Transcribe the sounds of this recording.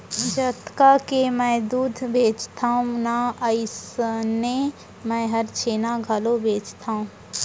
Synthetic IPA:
d͡ʒət̪kakemɛ̃ːd̪uːd̪ʱbʱeːd͡ʒt̪ʰaːũnaəɪsne | mɛ̃ːɦəɾt͡ʃʰeːnaɡʱalobʱeːd͡ʒt̪ʰaːũː

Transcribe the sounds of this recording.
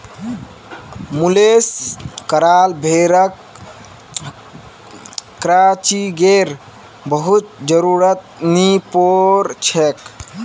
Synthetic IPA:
muleskəɾaːlbʱeɾək | ɾat͡ʃiɡeɾ | bəɦut̪̚d͡ʒəɾuɾət̪nipoɾt͡ʃʰek

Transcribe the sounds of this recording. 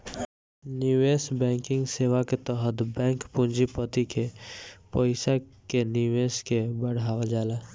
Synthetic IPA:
njieːsbɛ̃ːŋkɪ̃ŋɡseːʋaket̪ɔɦət̪bɛ̃ːŋkpʊ̃nd͡ʒipət̪ikepoɪsakenieːskebəɽ̤aːwad͡ʒaːlaː

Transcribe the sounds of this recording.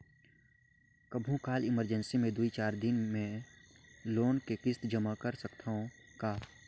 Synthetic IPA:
kəbʱũkaːlɪməɾd͡ʒənsimẽd̪uit͡ʃaːɾd̪ɪnmẽ | loːnkekɪst̪d͡ʒəmakəɾsəkt̪ʰaɦõkaː

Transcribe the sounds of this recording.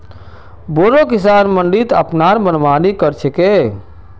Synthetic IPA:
boːɾokisaːnməɳɖit̪ə̰pnaɾmənʋaːnikəɾt͡ʃʰeke

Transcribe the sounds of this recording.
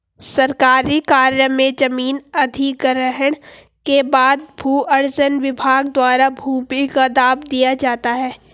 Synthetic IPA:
sɐɾkaːɾikaːɾjəmẽd͡ʒɐmiːnɐd̪ʱikɾəɦəɽ̃ | kebaːd̪̚bʱuːʔɐɾd͡ʒənʋɪbʱaːɡ̚d̪waːɾabʱuːbikad̪aːbd̪ijad͡ʒaːt̪aɦɛː

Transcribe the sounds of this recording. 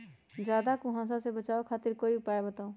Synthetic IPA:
d͡ʒaːd̪akuɦãs̬asebət͡ʃaokʰaːt̪iɾkoːiʊpaebət̪aũ

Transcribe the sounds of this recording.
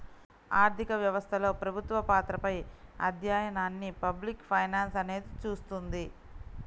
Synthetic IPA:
aːɾt̪ʰikɐʋjɐʋɐst̪ʰɐlo̞ːpɾɐbʱut̪ʋɐpaːt̪ɾɐpɐjɐ̰d̪ʱjaːjɐnaːnːipɐblikpʰɐjnaːnsɐne̞ːd̪it͡ʃuːst̪und̪i

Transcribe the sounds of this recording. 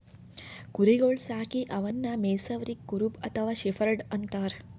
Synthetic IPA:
kuɾiɡoɭsaːkiʔɐʋɐnːameːsɐʋɾikːuɾupɐt̪ʰɐʋaːɕefɐɾɖɐnt̪ɐɾ

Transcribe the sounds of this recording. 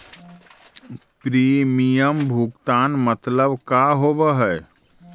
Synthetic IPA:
pɾimijəmbʱuɡt̪aːnmət̪ləbkaɦobəɦɛ

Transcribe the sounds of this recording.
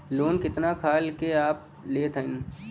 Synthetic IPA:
loːnkɪt̪nakʰaːlkeaːp̚ | leːt̪ʰəɪn

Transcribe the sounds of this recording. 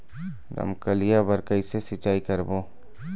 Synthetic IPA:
ɾə̰mkəlijabəɾkəisesɪt͡ʃaːikəɾboː

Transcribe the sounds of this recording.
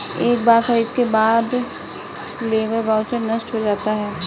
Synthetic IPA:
eːk̚baːɾxɐɾiːd̪kebaːd̪ | leːbəɾbaːʊsenɐsʈɦod͡ʒaːt̪aɦɛː

